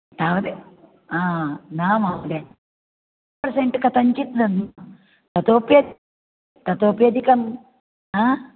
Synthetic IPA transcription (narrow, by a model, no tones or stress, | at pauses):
t̪aːʋɐd̪e | aːnaːmaːʋɐd̪e | ɐɾseɳʈɨkɐt̪ɐɲt͡ʃit̪d̪ɐn | t̪ɐt̪opjɐd̪ | t̪ɐt̪oːpjɐd̪ikɐm | aː